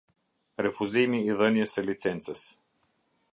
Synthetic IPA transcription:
ɾɛfuzijmiːðɤniəsəlit̪sɛnt̪səs

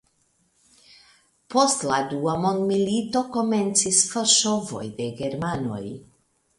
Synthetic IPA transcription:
po̞stladuamo̞nd̪milito̞ko̞me̞nt͡sisfoʃovo̞̰jd̪e̞ɡe̞ɾmano̞̰j

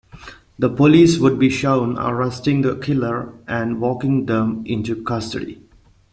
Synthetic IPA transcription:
d̪əpoliːswʊd̚biʃõʊ̃nə̰ɹɛstɪ̃ŋd̪əkʰɪləɹʔɛ̃nwɔkɪ̃ŋd̪ɛ̃mʔɪ̃ntukʌstə̰dḭ

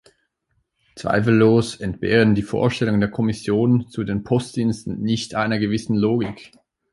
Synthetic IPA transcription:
t͡sv̥a̰ɪfl̩ːoːsɛntb̥ḛːʁəndiːfo̰ːɐʃtɛlʊŋdeːɐkʰɔmɪsjoːnt͡sudeːnpʰɔstd̥iːnstn̩nɪçtʰʔaɪnɐɡəvɪsn̩loːɡɪk

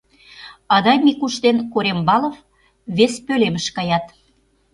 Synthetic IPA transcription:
ɑd̪ɑjmikuʃt̪enkoɾembɑlof | βespølemə̆ʃkɑjɑt̪

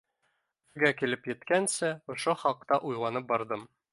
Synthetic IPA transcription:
bɘ̆ɾɡækilɘpjɘ̆t̪kænsɘŏʃoχɒqt̪ɑʔujlˠɑnɤp̚bɒɾd̪ɤm

